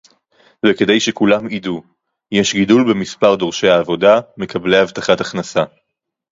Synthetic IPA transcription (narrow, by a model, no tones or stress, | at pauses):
veke̞d̪e̞jʃekulamidu | jeʃɡidulbemispaʁd̪o̞ʁʃe̞jaːvo̞dame̞kablehavt̪aχataχnasa